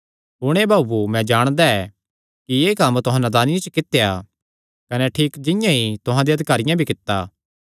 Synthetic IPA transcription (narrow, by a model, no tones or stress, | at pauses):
ʊɽ̃ebʱaːbumɛ̃d͡ʒaːɽ̃d̪aɛ | kieːkɐmt̪ʊɦãnad̪aːnɪjãt͡ʃəkɪt̪ːeja | kɐnɛʈʰiːkd͡ʒɪ̃jãɦit̪ʊɦãd̪eɐd̪ʱɪkaːɾɪjãbʱikɪt̪ːa̰ː